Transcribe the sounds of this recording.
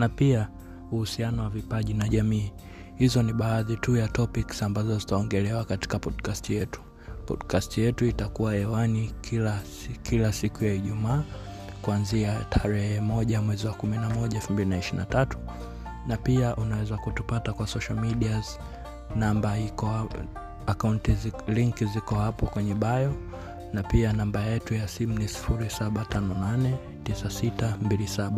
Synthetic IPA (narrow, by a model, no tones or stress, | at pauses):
napia | uhusianɔwavipaʄinaʄamiː | hizɔniɓaːðitujatɔpiksambazɔzitaɔŋɡɛlɛwakati̥kapɔdkastijɛtu̥ | pɔ̰ɗkastijɛtuitakuwaɛwanikila | kʰilasikujaiʄumaː | kuanziatʰaɾɛhɛmɔʄamwɛziwakuminamɔʄaɛlfum̩bilinaiʃina̰tatu̥ | napiaʔunawɛzakutupatakwasɔʃalmiɗiaz | nambaikɔ | akauntiliŋkizikɔhapɔkwɛɲɛɓajɔ | napianambajɛtujasim̩nisi̥fuɾisaɓatʰanɔnanɛ | tisasitambilisaɓa